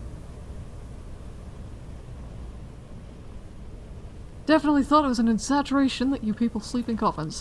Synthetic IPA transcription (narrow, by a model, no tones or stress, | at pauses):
d̥ɛfənəʔˡliθɔˑɾɪt̚wɒz̃nɪ̃nsæt͡ʃəɹeɪʃə̃nðəʔəpʰiˑpəlˠsliˑpɪ̃nkʰɒfə̃nz̥